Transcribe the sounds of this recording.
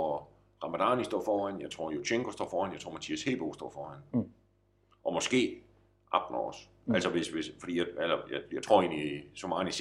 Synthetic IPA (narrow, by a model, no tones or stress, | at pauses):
ʁɑ̈mæd̥ɑnisd̥ɔ̰ːfɒːæn̰jɑ̈ɪt͡sʰʁo̝ɐ̰joɕʰeŋɡ̥osd̥ɒ̰ːfɒːænjaɪt͡sʰo̝̰mænt͡sʰiæshe̝̰b̥oʊsd̥ɔ̰ːfɒːhæn̰ | ʔɒ̽mɒ̽sɡ̥e̝̰ː | ʔɑ̈b̥n̩ɒ̰s | ælsɒʋesʋesfɒd̥ḭːjaælɐjajɑaɪt͡sʰʁo̝ɐ̰e̝̰ːnlisɒmɑ̈ːnis